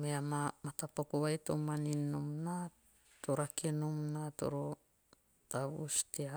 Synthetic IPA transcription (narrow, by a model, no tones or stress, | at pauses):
meamamat̪apokowajt̪omaninomna | t̪oɾakinomnat̪o̰ɾo | tawustea